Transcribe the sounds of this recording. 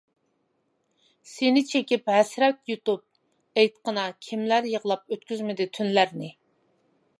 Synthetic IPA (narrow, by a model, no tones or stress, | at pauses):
senɪt͡ʃʰekʲipɦɛsɾɛk̪ʲjut̪up̚ | ejt̪qənɑkʲʰimlæɾjəʁlˠɑp̚øt̪kʲyzmɪd̪ɪt̪ʰynlæɾnɪ